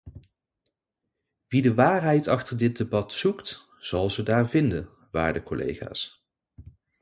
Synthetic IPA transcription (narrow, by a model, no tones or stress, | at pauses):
ʋidəʋaːrɦɛjtɑχtəɹdɪt̚debɑtsukt | z̥ɑlˠzədaːɹvɪndən | ʋa̰ːɹdəkɔlḛjχa̰ːs